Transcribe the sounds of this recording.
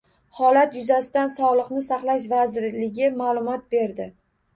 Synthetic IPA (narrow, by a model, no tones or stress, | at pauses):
hɒlat̪jʊzasɪd̪ansɒlˠɨqnɪsaχlˠaʃ̬vazɪɾlɪɡʲɪmalˠʊmɒt̪̚be̞ɾd̪ɪ